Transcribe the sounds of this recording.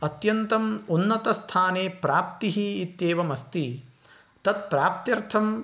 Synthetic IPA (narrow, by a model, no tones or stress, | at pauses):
ɐt̪jɐnt̪ɐmunːɐt̪ɐst̪ʰaːneːpɾaːpt̪iɦiːt̪jeːʋɐmɐst̪i | t̪ɐt̪̚pɾaːp̚t̪jɐɾt̪ʰɐm